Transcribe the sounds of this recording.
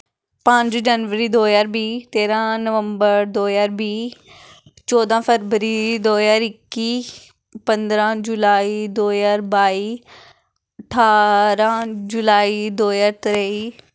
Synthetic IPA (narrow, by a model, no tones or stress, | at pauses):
pə̃ɲd͡ʒd͡ʒənʋəɾiːd̪oːjaːɾbiːt̪eːɾãːnəʋəmbəɾd̪oːjaːɾbiː | t͡ʃɔːd̪ãːpʰəɾʋəɾiːd̪oːjaːɾɪkːiː | pə̃nd̪ɾãːd͡ʒʊlaːiːd̪oːjaːɾbaːiː | əʈʰaːɾãːd͡ʒʊlaːiːd̪oːjaːɾt̪ɾəiː